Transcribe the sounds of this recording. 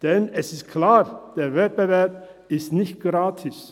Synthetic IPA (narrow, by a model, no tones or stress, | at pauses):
d̪̥ɛnɛsɪskʰlɑːɾd̪̥eːʋɛbəʋæɾpɪst̪nɪçt̪̚ɡ̥ɾɑːt̪ʰɪs